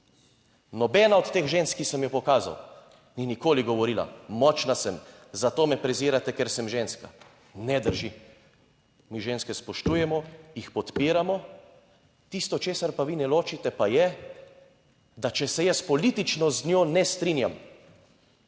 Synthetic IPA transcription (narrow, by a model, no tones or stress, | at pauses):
nɔbɛːnaɔt̪ːeːxʒeːnskisɛmjɔpɔkaːza̰w | ninikoːliɡɔʋɔɾiːla̰mɔt͡ʃnasɛm | zat̪oːmɛpɾɛziːɾat̪ɛkɛɾsɛmʒeːnska | nɛd̪əɾʒi | miʒeːnskɛspɔʃt̪uːjɛmɔjixpɔt̪piːɾamɔ | t̪ist̪ɔt͡ʃeːsaɾpaʋinɛloːt͡ʃit̪ɛpajɛ | d̪at͡ʃɛsɛjɛspɔlit̪it͡ʃnɔznʲjoːnɛst̪ɾiːnjam